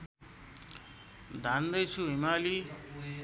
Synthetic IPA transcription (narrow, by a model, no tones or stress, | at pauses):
d̪ʱand̪əjt͡ʃʰuɦimaːli